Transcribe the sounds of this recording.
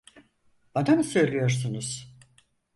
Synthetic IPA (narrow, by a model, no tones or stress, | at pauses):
ad̪amsø̞jlʲijo̞ɾsunuz̥